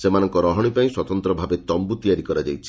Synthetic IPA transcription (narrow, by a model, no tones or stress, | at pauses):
semanɔŋkɔɾɔɦɔɽ̃ipaĩswɔt̪ɔnt̪ɾɔbʱabet̪ɔmbut̪ijaɾikɔɾad͡ʒajt͡ʃʰi̥